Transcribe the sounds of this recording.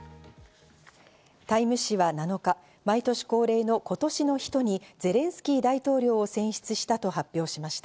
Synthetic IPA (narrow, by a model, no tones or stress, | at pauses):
t̪aimɯ̟ɕiβanano̞ka | mait̪o̞ɕi̥ko̞ːɾe̞ːno̞ko̞t̪o̞ɕino̞çi̥t̪o̞ɲ̟id͡ze̞ɾẽ̞ɰ̃sɨ̥kʲiːd̪ait̪o̞ːɾʲo̞ːsẽ̞ɰ̃ɕi̥t͡sɨɕi̥t̪at̪o̞ɦapʲjo̞ːɕimaɕi̥t̪aa